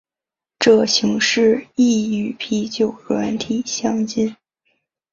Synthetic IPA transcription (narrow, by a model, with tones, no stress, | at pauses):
ʈ͡ʂɤ˥˩ɕi˧˥ŋʂɻ̩˥˧i˥˩y˨˩pʰi˧˥t͡ɕjo˨˩ʊɻwa˧˥nt̪ʰi˨˩ɕjɑ˥ŋt͡ɕi˥n